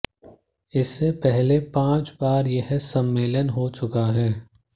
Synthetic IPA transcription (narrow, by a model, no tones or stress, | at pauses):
ɪsːepɛɦlepãːt͡ʃbaːɾjeɦsɐmːeːlənɦot͡ʃʊkaɦɛː